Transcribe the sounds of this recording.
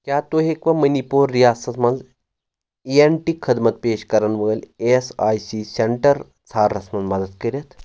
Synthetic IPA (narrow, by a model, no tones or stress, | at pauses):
kʲjaːt̪oːɦeːkʋɐmɐnipoːɾːijaːsɐt̪mɐnz | ieɳʈikʰːɐd̪mɐt̪̚peːʃkɐɾɐnʋəːlʲesaːjsiseɳʈɐɾ | t͡sʰaːɾːɐsmɐnmɐd̪əd̪kɐɾjɐt̪